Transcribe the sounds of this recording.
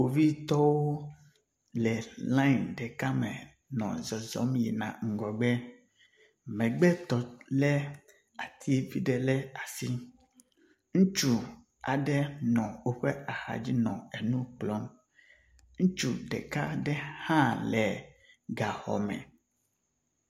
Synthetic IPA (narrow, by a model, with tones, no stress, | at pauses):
wo˨vi˦t̪ɔ˦wo˦ | lɛ˨lã˦i˨nɖɛ˨ka˦mɛ̰̃˨ | nɔ̰̃˨zɔ˨zɔ̰˨˦mji˨nã̰˨ŋ̩˨ɡɔ˨ɡ͡bɛ˦ | mɛ̃˨ɡ͡bɛ˦t̪ɔ˨lɛ˦ | a˨t̪ʰi˦vi˦ɖɛ˨lɛ˦a˨si˦ | ŋũ˦t͡ʃu˦ | a˨ɖɛ˦nɔ̃˨wo˦ɸɛ˦a˨xa̰˨d͡ʑi˦nɔ̃˨e˨nũ˦k͡plɔ˦m | ŋũ˦t͡ʃu˨ɖɛ̰˨ka˦ɖɛ˦hã˦lɛ˨ | ɡa˨xɔ̰˨mɛ̰̃˨